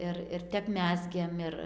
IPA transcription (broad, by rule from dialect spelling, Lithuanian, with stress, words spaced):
ˈɪr ɪr ˈtʲɛp ˈmʲæːzʲɡʲeːm ˈɪr